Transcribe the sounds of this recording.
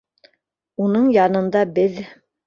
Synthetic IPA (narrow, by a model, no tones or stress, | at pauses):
unɤɴjɑnɤ̆nd̪ɑbɘð